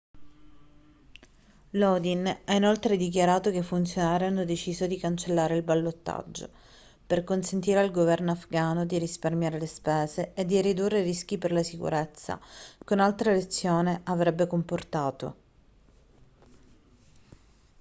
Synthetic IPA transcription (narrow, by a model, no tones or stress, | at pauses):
lod̪inainolt̪ɾed̪ik̬jaɾaːt̪okefunt̪sjonaːɾeanːod̪et͡ʃiːzod̪ikant͡ʃelːaːɾeilbalːot̪ːa̰d͡ʒːo̰ | perkonsent̪iːɾealɡovɛrnoafɡaːnod̪iɾisparmjaːɾelespɛːzeːd̪ːirid̪urːerisk̟iperlasikṵɾet̪sːa̰konalt̪ɾalet̪sːjoːneʔavɾɛbːekomport̪aːt̪o̰